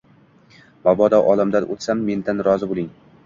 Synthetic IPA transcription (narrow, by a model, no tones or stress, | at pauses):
bɒbɒd̪ɒʔɒlˠamd̪anʔo̰t̪samːe̞nd̪anɾɒzɪbolˠɪŋ